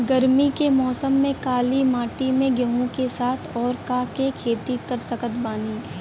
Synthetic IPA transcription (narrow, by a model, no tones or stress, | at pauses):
ɡɐɾmikemɔːsəmːẽkaːlimaːʈimẽɡəɦõkesaːt̪ʰɔːɾkakekʰeːt̪ikɐɾsəkət̪baːniː